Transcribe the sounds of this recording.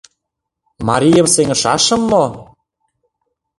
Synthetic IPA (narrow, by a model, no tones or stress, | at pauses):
mɑ̰ɾʲijə̆mseŋə̆ʃɑʃɤ̆mːo